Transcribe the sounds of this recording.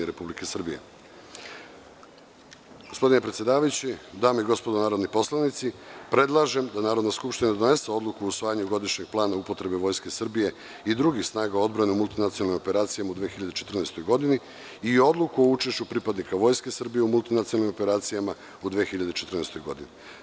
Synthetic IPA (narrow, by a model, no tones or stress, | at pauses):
eɾepublikesr̩bijḛ | ɡospo̞d̪ine̞pɾet̪sjed̪aːʋajut͡ɕed̪aːmeiɡo̞spo̞d̪o̞naːɾo̞d̪nipo̞slˠanit̪sipɾe̞d̪lˠaʒe̞md̪anaːɾod̪naskupʃt̪inad̪o̞ne̞seo̞d̪lˠukuousʋaːjaɲuɡo̞d̪iʃɲe̞ɡ̥̚plˠaːnaupo̞t̪ɾe̞beʋo̞ːjske̞sr̩bije̞ | id̪ɾuɡixsnaːɡao̞d̪bɾaneumulˠt̪inat̪ionalnimo̞pe̞ɾaːt̪sijamaud̪ʋexiʎad̪et͡ʃe̞t̪r̩nest̪o̞jɡo̞d̪ini | io̞d̪lˠukuout͡ʃe̞ʃt͡ɕupɾipad̪nikaʋo̞jske̞sr̩bije̞umulˠt̪inat̪ionalnimo̞peɾaːt̪sijama | ud̪ʋeexiʎad̪e̞t͡ʃet̪ɾr̩neːst̪ojɡo̞̰d̪ini